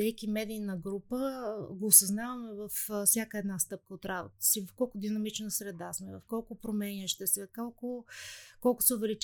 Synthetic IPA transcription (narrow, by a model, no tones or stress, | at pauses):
ɛjkʲimɛd̪iːnəɡɾupəɡoːsɐznavɐmɛvɐffsʲjakəɛd̪nast̪ɤp̚kəot̪ɾabo̰t̪ə̥sivɐfkɔlˠkʊd̪inɐmit͡ʃnəsɾɛd̪asmɛvɐfkɔlˠkʊpɾomɛnʲiəʃt̪ɛsɛkɔlˠkʊkɔlˠkʊ̥sɛʊvɛlit͡ʃ